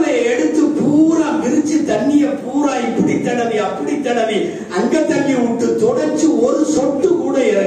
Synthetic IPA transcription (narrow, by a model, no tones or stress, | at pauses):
lɐɛɽɯt̪ːɯpuːɾaːʋɪɾɯt͡ʃːit̪ɐnːɪjɐpuːɾaːɪpːɐɽit̪ːɐɽɐʋiɐpːɐɽit̪ːɐɽɐʋi | ɐŋɡɐt̪ːɐnɡiʊʈːɯt̪ɔɽɐɾt͡ʃɯɔɾɯsɔʈːɯkuːɽɐɪɾɐ